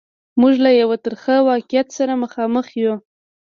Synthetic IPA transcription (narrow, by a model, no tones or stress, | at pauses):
muʒlajawat̪əɾxəwɑqɪjat̪saɾaməxɑməxju